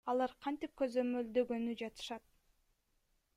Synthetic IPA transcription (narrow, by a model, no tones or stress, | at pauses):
ɑlˠɑɾqʰɑnt̪ip̚kø̞zø̞mø̞ld̪ø̞ɡø̞nyd͡ʒɑt̪ɯ̥ʃɑt̪̚